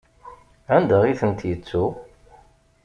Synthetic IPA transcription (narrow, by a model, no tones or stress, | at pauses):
ænd̪əʁiθənt̪jət͡sːu